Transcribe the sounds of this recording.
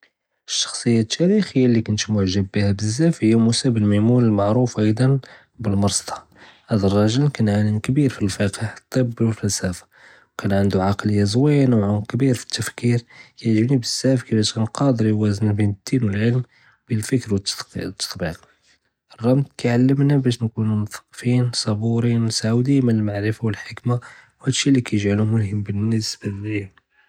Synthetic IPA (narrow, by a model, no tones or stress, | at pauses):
ʔəʃːɑ̥xsˤəjːat̪ʰːæɾixəjːalːikʊnt̪mʊʕʒəbːihæbəzːæfhəjːæmusæbəlmamuləlmɑʕɾufʔɑjd̪ˤɑn | bəlmɑɾˤst̪ɑ̥ | hæd̪ərˤːɑʒəlkænʕalənkbiɾfilfæqiħt̪ˤːəbːwəfæsæfḁ | wkænʕənd̪uʕɑqləjːazwæjːanawʕʊkbiɾfi̥t̪ːæfkiɾkæʕʒəbnibəsːæfkibæʃkænqɑd̪əɾiwæznæbinəd̪̥ːinwəlʕəlm | bilfəkɾwət̪ːt̪t̪ːɑ̥t̪ˤbiq | ʔərˤːɑmt̪kæʕalːəmnabæʃnkunumʊθɑ̥qːfinsˤɑbuɾinsaʕwd̪iːmanəlmaʕɾəfawəlħəkmawhæd̪ʃːilːikæjəʒʕalumʊlhəmːbənːəsbalih